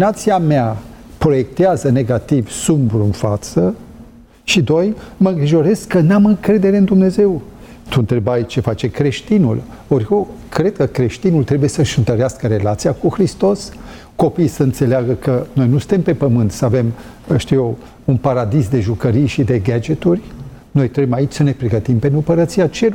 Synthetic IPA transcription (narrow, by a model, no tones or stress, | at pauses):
nat̪siameapɾo̞je̞k̚t̪eazəne̞ɡat̪ivsumbɾuɨnfat̪sə | ʃid̪o̞jməɨŋɡɾiʒo̞ɾe̞skːənamɨŋkɾe̞d̪e̞ɾe̞ɨnd̪umne̞ze̞w | t̪uɨnt̪ɾe̞bajt͡ʃe̞fat͡ʃe̞kɾe̞ʃt̪inṵl | orʲkokɾe̞d̪̚kəkɾe̞ʃt̪inult̪ɾe̞buje̞səʃɨnt̪əɾeaskəɾe̞lat̪sijakuxɾist̪o̞s | ko̞pijsəɨnt̪se̞leaɡəkəno̞jnusɨ̥nt̪e̞mpe̞pəmɨnt̪səave̞m | ʃt̪ijo | unpaɾad̪isd̪e̞ʒukəɾijʃid̪e̞ɡad͡ʒet̪urʲ | no̞jt̪ɾeemait͡ʃʲsəne̞pɾe̞ɡət̪impe̞numpəɾət̪siat͡ʃe̞l